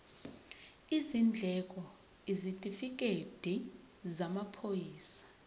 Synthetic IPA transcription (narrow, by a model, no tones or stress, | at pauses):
izind͡ɮʱɛkʼɔ | izitʼifik̬ʼed̥ʱi | zamapʰojiːsḁ